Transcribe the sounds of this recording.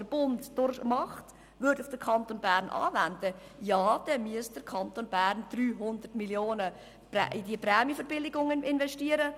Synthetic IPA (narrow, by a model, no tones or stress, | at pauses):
əɾb̥ʊntd̥ʊɾmɑχt | ʋʏɾdufd̥əɾkʰɑntonbæːɾnʔɑ̰ːvændə | jɑːd̥ɛmyəsd̥əɾkʰɑnt̪onbæːɾnd̥ryːɦʊnd̪ətmiljoːnə | pɛ̰ʔɪdiəprɛːmjifəɾbɪlɪɡʊŋɪnvɛʃtiəɾə